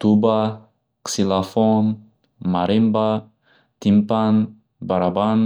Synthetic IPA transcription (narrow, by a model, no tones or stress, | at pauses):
t̪uba | ksilafon | maɾimba | t̪impan | baɾaban